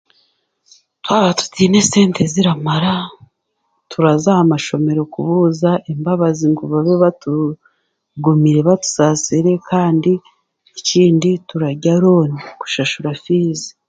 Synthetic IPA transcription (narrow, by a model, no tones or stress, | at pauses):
twaːβatu̥tiːne̞se̞ːnte̞ziɾamaɾa | tuɾazahamaʃo̞me̞ɾo̞kuβuzaʔembaβaziŋɡuβaβeβatu | ɡumiɾe̞βatu̥saːsiɾe̞kʰaːndiː | ciːndituɾaɟaɾoːniku̥ʃaʃuɾafiːze̥